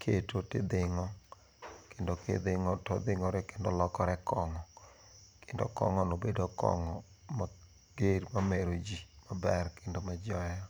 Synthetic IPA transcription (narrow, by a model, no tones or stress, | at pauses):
kʰetotɪd̪ɪŋɔ | kendokḛd̪ɪŋɔtɔd̪ɪŋɔɾɛkendolɔkɔɾɛkɔŋɔ | kendo̰kɔ̰ŋɔnobedokɔ̰ŋɔ | ma | ɡ̥eɾmameɾod͡ʒimabɛrkendomad͡ʒɔjɔ